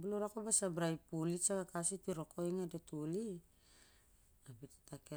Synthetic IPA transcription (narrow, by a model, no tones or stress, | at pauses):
buluɾakobasabɾajpulisaɡakasitiɾo̞ko̞jŋadetuli | abitḁtake